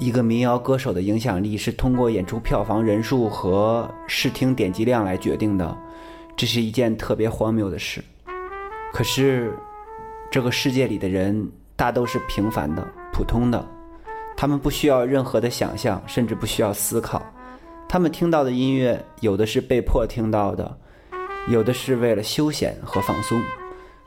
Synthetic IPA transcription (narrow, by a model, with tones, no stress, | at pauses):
i˧˥ɡə˧mi˧˥ŋjɑ˧˥ʊkɤ˥ʂo˨˩ʊd̪ə˦i˧˥ŋɕ̬jɑ˨˩ŋli˥˧ʂɻ̩˥˩t̪ʰʊ˥ŋkwɔ˥˩jɛ˨˩nʈ͡ʂʰu˥pʰjɑ˥˩ʊfɑ˧˥ŋɻə˧˥nʂu˥˩xɤ˧˥ʂɻ̩˥˩t̪ʰi˥ŋt̪jɛ˨˩nt͡ɕi˧˥ljɑ˥˩ŋla˧˥ɪt͡ɕɥɛ̰˧˥t̪i˥˩ŋd̪ə̰˩ | ʈ͡ʂɤ˥˧ʂ̬ɻ̩˥˩i˧˥t͡ɕjɛ˥˧nt̪ʰɤ˥˩pjɛ˧˥xwɑ˥ŋmjo˧˥ʊd̪ə˧ʂɻ̩˥˩ | kʰɤ˨˩ʂɻ̩˥˧ | ʈ͡ʂɤ˥˩ɡə˩ʂɻ̩˥˧t͡ɕjɛ˥˩li˨˩d̪ə˦ɻə˧˥n | t̪a˥˩t̪o˥ʊʂɻ̩˥˩pʰi˧˥ŋfa̰˧˥nd̪ə̰˧pʰu˨˩t̪ʰʊ˥ŋd̪ə̰˨ | t̪ʰa˥mə˨npu˥˩ɕy˥jɑ˥˧ʊɻə˥˩nxɤ˧˥d̪ə˧ɕjɑ̰˨˩ŋɕjɑ̰˥˧ŋʂə˥˧nʈ͡ʂɻ̩˥˧pu˥˩ɕy˥jɑ˥˩ʊsɹ̩˥kʰɑ˨˩˦ʊ | t̪ʰa˥mə˨nt̪ʰi˥ŋt̪ɑ˥˩ʊd̪ə˩i˥nɥɛ˥˩jo˨˩ʊd̪ə˦ʂɻ̩˥˧pe˥˧ɪpʰwɔ˥˩t̪ʰi˥ŋt̪ɑ˥˩ʊd̪ə̰˩ | jo˨˩ʊd̪ə˦ʂɻ̩˥˧we˥˩ɪlə˩ɕjo˥ʊɕjɛ̰˨˩˦nxɤ˧˥fɑ̰˥˩ŋsʊ˥n